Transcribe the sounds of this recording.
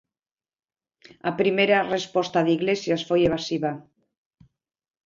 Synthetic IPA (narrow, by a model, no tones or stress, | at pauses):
apɾimeɾarespɔst̪aðiɣlesjasfojeβasiβa